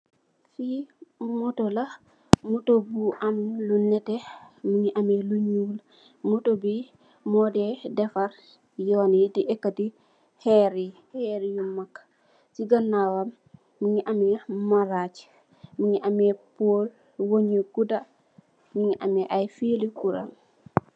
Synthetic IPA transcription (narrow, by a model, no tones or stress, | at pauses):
fimɔtɔla | mutobuʔamlunːɛtɛmiɲiʔamɛluɲula | mutobi | mɔdɛdɛfaɾ | jɔwanjidiʔɛkːati | hɛɾi | hɛɾijumakːḁ | siɡanːawamː | iɲiʔamɛmaɾat͡ʃi̥ | miɲiʔamɛpol | woɲiɡuda | miɲiʔamɛʔajfilikuɾa̰m